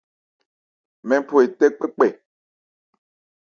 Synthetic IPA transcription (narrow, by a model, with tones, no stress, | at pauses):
mɛ̃˨˦po˨e˨tɛ˦k͡pɛ˦k͡pɛ˨